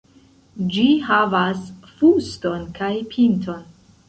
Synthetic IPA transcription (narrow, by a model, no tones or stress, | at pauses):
d͡ʒihavasfusto̞nkajpʰintʰo̞n